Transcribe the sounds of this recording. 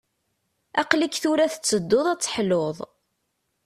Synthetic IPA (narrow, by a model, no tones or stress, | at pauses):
æqlikθuɾæθə̥t͡sːəd̪ːoðˤæt͡sːħloðˤ